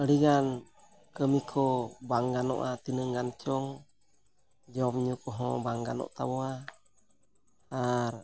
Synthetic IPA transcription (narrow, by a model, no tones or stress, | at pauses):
əliɡan | kəmikʰɔbaŋɡanɔ̰ʔat̪inəŋɡant͡ʃɔŋ | d͡ʒɔmɲukɔɦɔ̰baŋɡanɔ̰ʔt̪abɔa | ar